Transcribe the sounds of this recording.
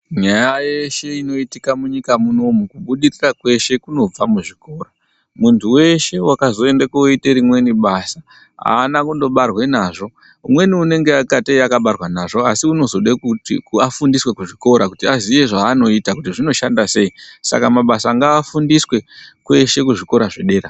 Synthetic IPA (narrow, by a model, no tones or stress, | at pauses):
ɲajajeʃe̞ino̞itikamuɲikamuno̞mukuɓuɗirirakwe̞ʃe̞kuno̞b͡vamuʐiko̞ːro | muntʰuwe̞ʃe̞wakazo̞e̞ndakuiteɾimwe̞niɓaːsa | ɦa̰ːnakundo̞ɓarwe̞naːʐo̞ | umwe̞niune̞ŋɡe̞akateakaɓarwanaʐo̞asiuno̞zo̞ɗekukuafundiswe̞kuʐiko̞ɾakutiaziʋe̞ʐaːno̞itakutiʐino̞ʃandase̞isa̰kamaɓasaŋɡaːfundiswe̞kwe̞ʃe̞kuʐiko̞ɾaʐeɗe̞ːɾa